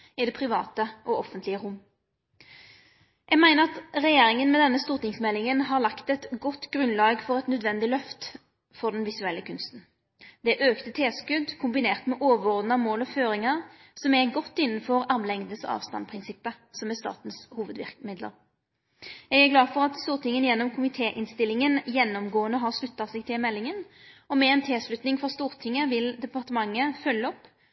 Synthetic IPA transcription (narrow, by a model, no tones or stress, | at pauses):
ɪd̪ɛpʰʁɪʋɑ̰ːt̪əʔɔɔfənt̪lɪəʁʊmː | jʔɛɡmæɪnəʁɑt̪ʁɛjeːɾɪŋənmɛd̪ɛnːəst̪uːʁt̪ɪŋsmɛlːɪŋənɦɑʁlɑkt̪ɛt̪ɡɔt̪ːɡʁʉnlɑːɡfɔʁɛt̪nœd̪ʋɛnd̪ɪlœft̪ | fɔʁd̪ɛnʋɪsʉɛlːəkʰʉnst̪n̩ | d̪̥ɛʔøːkt̪ət̪ʰeːskʉd̪kʰʊmbɪneːʁt̪mɛʔoːʋəʁɔʁd̪n̩ɑmoːlɔføːɾɪŋəʁ | sɔmɛɡɔt̪ːɪnːənfɔɾɑmlɛŋd̪əsɔ̰ɑ̰ːʋst̪ɑ̰npʰʁɪnsɪpːə | sɔmɛst̪ɑ̰ːt̪n̩shuːʋəd̪ʋɪ̰ʁkmɪd̪lə̰ɾ | jɛɡæɡlɑːfɔʁɑt̪st̪uːʁt̪ʰɪŋːənjɛnːɔmkʰʊmɪt̪ʰeːʔɪnst̪ɪlːɪŋənjɛnːɔmɡoːənəɦɑʁslʉt̪ːɑsɛɡ̚t̪ʰɪlmɛlːɪŋən | ɔmɛɛːnt̪ʰeːslʉt̪nɪŋfɔʁst̪uːʁt̪ʰɪŋːəʋɪld̪ɛpɑʁt̪əmɑŋːəfœlːəɔpː